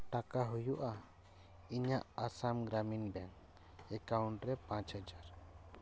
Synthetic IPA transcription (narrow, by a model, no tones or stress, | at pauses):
ʈakaɦujuʔa | iɲaʔasamɡɾaminbɛŋ | ɛkawuɳʈɾɛpãt͡ʃhad͡ʒaɾ